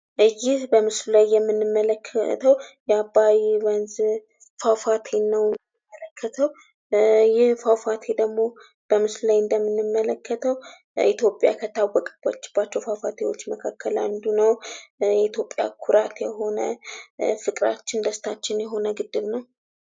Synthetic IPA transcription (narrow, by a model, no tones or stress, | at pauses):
ʔɨjːɪhbəmɨslulajːɛmːɨnːɨmːələkʰːt̪ʰəwjɛabajwənz | fafat̪ʰe̞nəwɛmː | ɨmːələkːət̪ʰəw | jɪhfafat̪ʰe̞d̪əɡmo̞ | b̥əmɨslulajɨnd̪əmːɨnːɨmːələkʰːət̪ʰəw | ʔit̪ʰjo̞pʼja̰kʰət̪ʰawəkʼəb̥at͡ʃːɪ̥b̥ːat͡ʃːɛwfafat̪ʰe̞wo̞t͡ʃːməkʰakʰːəla̰nd̪unəwjɛit̪ʰjo̞pʼːja̰kʰuɾat̪jɛho̞nə̰fɨkʼɾa̰t͡ʃːɪnd̪əst̪ʰat͡ʃːɪnjɛɦo̞nəɡɨd̪ːɨβnəw